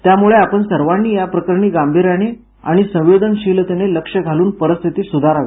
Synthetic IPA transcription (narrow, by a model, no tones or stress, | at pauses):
t̪jamuɭeapəɳsəɾʋanːiːjapɾəkəɾɳiːɡambʱiɾjañe | a̰ɽ̃isə̃w̃jod̪ʱənɕiːlt̪eneləkʂəɡʱaluːnpəɾəst̪ʰit̪iːsud̪ʱaɾaʋei